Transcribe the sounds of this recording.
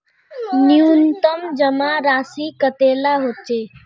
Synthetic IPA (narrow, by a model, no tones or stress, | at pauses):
njunt̪əmd͡ʒəmaɾaːsikət̪eːlaɦot̪̚t͡ʃe